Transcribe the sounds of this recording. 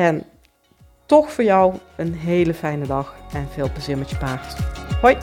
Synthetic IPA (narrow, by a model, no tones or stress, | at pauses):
ɛn | tɔxfʊːɹjʌwənɦejləfɛjnədɑxɛnv̥ɪːlˠpəzɪmət͡ʃəpaːrthoj